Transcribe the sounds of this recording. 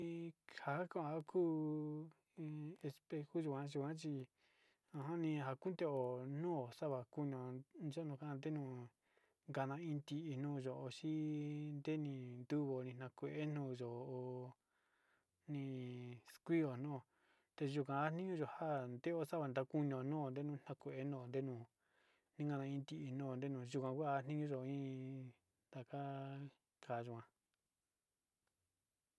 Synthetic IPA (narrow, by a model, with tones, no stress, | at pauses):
i˧ha˨˦kã˧˦ã˨˧a˦kʰuː˦˧ | e˧spe˧xu˦ʒu˧˨kʷã˦ʒu˧kʷã˦t͡ʃi˧ | ã˧ɦã˦nĩ˧ɦa˧ku˦nd̪e˦o˨nũː˦o˨sa˦βa˨ku˦ɲ˧õ˧˨d͡ʒo˦nũ˧ka˦ã˧nd̪e˦nũ˧ | ŋɡa˧nã˧ĩ˧t̪i˧ʔi˧nũː˧ʒo˨o˧ʃi˦nd̪e˦nĩ˧nd̪u˦βo˨˧nĩ˧nã˧kʷe˧ʔe˦nũː˧ʒo˨o˧ | nĩ˧skʷi˦o˨nũ˦o˨ | t̪e˧ʒu˧k̬ʷã˧a˦n̥ĩ˦ɲũ˦ʒo˨ha˦nd̪e˦o˦sa˦βa˧˨nd̪a˧ku˦ɲõ˨˧˨nũ˦o˨nd̪e˦nũ˦˧˦n̥ã˧kʷe˨ʔe˦nõ˦˧˨o˨nd̪e˦nũː˧˨ | nĩ˦ŋɡa˧nã˧ĩ˧t̪i˧ʔi˧nũ˦˨o˨nd̪e˦nũ˧˨ʒu˧kʷã˧kʷːn̥ĩ˦ɲũ˦ʒo˨˧ĩ˦ | d̪a˨ka˦ | ka˨ʒu˨˧kã˧